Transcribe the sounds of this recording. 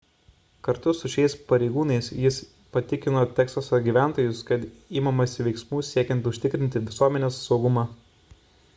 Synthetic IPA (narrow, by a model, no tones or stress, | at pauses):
kɐɾt̪ʊsʊʃʲɛɪspɐɾʲɛɪɡuːnɐɪsjɪs | pɐt̪ʲɪkʲɪnoːt̪ʲæːkst̪ɐsoɡʲiːʋʲæˑnt̪oːjʊskɐt̪iːmɐmɐsʲɪʋʲɛɪksmuːsʲiɛkʲɛnt̪ʊʃʲt̪ʲɪkɾʲɪnʲt̪ʲɪʋʲɪsuɔmʲɛnʲeːsːɒʊɡʊmɑː